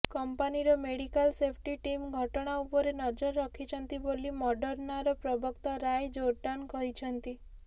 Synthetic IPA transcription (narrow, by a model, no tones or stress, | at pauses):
kɔmpaniɾɔmeɽikalsepʰʈiʈimɡʱɔʈɔɽ̃aupɔɾenɔd͡ʒɔɾːɔkʰit͡ʃʰɔnt̪ibolimɔɖɔɾnaɾɔpɾɔbʱɔkt̪ɔɾajd͡ʒoɾʈankɔɦit͡ʃʰɔnt̪i